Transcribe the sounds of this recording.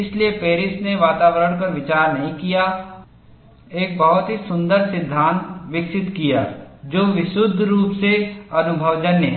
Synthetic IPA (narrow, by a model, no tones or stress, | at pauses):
ɪsliepeːɾɪsneʋaːt̪aːʋəɾəɽ̃kɐɾʋɪt͡ʃaːɾnɐɦĩkija | eːk̚bɐɦʊt̪ɦisʊ̃nd̪əɾsɪd̪ʱːaːnt̪ʋɪksɪt̪kija̰ːd͡ʒoːʋɪʃʊd̪ʱɾuːpseɐnʊbʱəʋd͡ʒɐnjəɦɛ